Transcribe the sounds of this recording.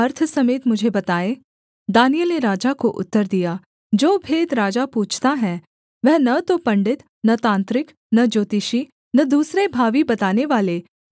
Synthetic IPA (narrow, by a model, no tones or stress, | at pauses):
ɐɾt̪ʰsɐmeːt̪mʊd͡ʒʱebɐt̪aːe | d̪aːnijəlneɾaːd͡ʒakoʔʊ̰t̪ːəɾd̪ija | d͡ʒoːbʱeːd̪ɾaːd͡ʒapuːt͡ʃʰt̪aɦɛ̃ | ʋɛɦnɐt̪opɐ̃ɳɖɪt̪ | nɐt̪ãːnt̪ɾɪk | nɐd͡ʒoːt̪iʃi | nɐd̪uːsɾebʱaːʋibɐt̪aːneʋaːle